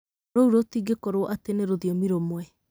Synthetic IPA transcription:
ɾouɾotiɡekoɾowɔʔateneɾoðiɔmiɾomwɛ

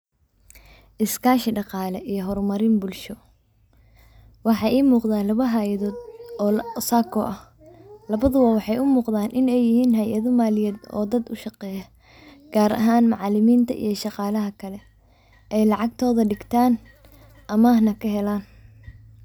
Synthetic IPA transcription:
ʔɪskʰaːʃɪɖɑqɑːlɛʔijɞɦɔrmɐɾɪnbʊlʃɔ | wɑħɑʔiːmuːqðaːnlɐβɐɦaːjɐðɔːd̪ɔːsaːkʰɔʔɐh | lɐβɐðʊwɐwɑħɑjʊmuːqðaːnʔɪnɛjːɪhiːnɦɐjɐðʊmaːlɪjɛːd̪ɔ̰ːd̪ɐd̪ʊʃɑqɛːjɐ | ɡ̥aːɾɐ̰ɦaːnmɑʕɑlɪmiːnt̪ʰɐ̰ʔḭjɞʃɑqɑːlɐɦɐkʰɐlɛ | ʔɛjlɑʕɑɡt̪ʰɔːðɐɖɪɡt̪ʰaːn | ʔɐmaːhnɐkʰɐɦɛlaːn

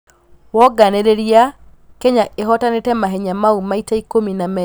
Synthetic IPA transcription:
wɔɡaneɾeɾia | kɛɲaeɦɔtanetɛmaɦeɲamaumaitaikominamɛ

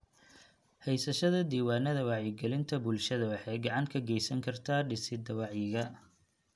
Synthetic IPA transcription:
hɛjsɐʃɐðɐd̪iːwaːnɐðɐwɑʕjɪɡɛlɪnt̪ʰɐbʊlʃɐðɐwɑħɛjɡɑʕɑŋkʰɐɡɛjsɐŋkʰɐrt̪ʰaːɖɪsɪd̪ɐwɑʕjɪɣɐ

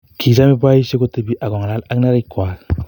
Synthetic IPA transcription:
kʰizamibajseɡɔtɯbiʔaɡɔŋalalak̚naɾajkwal

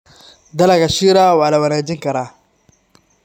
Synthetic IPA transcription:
d̪ɐlaɡaʃiːɾaːwaːlawɐnaːd͡ʒɪŋkɐɾaː

